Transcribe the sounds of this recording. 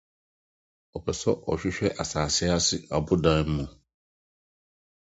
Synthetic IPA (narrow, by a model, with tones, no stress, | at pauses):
ɔ˨pʰɛ˨sɔ˦ʔɔ̰˨ɕᶣɪ˦ɕᶣɛ˦ʔa˨saː˨sɪ˦a˦sɪ˦a˨bʊ˦dã˦n̩˦mʊ̃˨